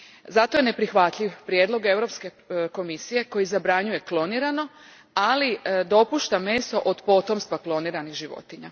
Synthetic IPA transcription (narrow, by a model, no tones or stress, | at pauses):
zat̪o̞je̞ne̞pɾixʋat̪ʎʲiʋpɾje̞d̪lo̞ɡe̞ʋɾo̞pske̞ | ko̞misije̞ko̞jizabɾaɲuje̞klo̞niɾano̞ | alid̪o̞puːʃt̪ame̞ːso̞ʔod̪po̞t̪o̞mst̪ʋaklˠo̞niɾaniɣʒiʋo̰t̪iɲa̰